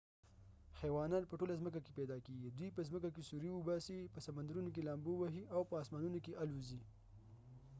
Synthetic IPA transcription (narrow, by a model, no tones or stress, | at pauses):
xewɑnɑt̪̚pəʈolazmək̬akepɛd̪ɑkeɡid̪wipəzməkakesuɾiwəbɑsipəsamand̪aɾunok̬elɑmbowaɦiʔawpəːsmɑnunokeʔaluzi